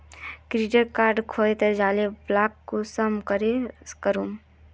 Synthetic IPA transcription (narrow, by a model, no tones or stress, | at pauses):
kɾiɖəɾkaːɾɖkʰoːet̪əɾd͡ʒaːleblaːkːosɐmkəɾekəɾum